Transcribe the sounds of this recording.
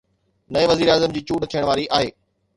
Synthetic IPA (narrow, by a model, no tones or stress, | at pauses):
nɐẽʋɐziːɾaːzəmd͡ʑiːt͡ɕuːɖt̪ʰijəɽ̃ʋaːɾiʔaːɦeː